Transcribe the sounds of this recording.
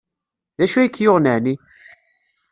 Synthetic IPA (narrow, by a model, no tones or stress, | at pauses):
ðæʃujkːjʊʁnəʕni